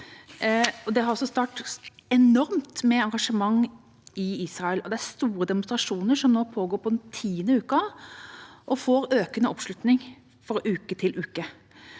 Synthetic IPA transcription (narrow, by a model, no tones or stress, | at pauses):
ɔd̪ɛhɑɾɔsːɔst̪ɑːʈɛnɔɾmt̪mɛɑŋɡɑʂəmɑŋː | ɪiːsɾɑɛlɔd̪ɛæɾst̪uːɾəd̪ɛmʊnst̪ɾɑʂuːnəɾʂɔmnoːpʰoːɡoːɾpʰɔd̪ɛnt̪ʰiːənəʉːkɑ | ʔɔfoːɾøːkənəʔɔpʂlʉt̪nɪŋ | fɔɾʉːkət̪ʰɪlʔʉːkə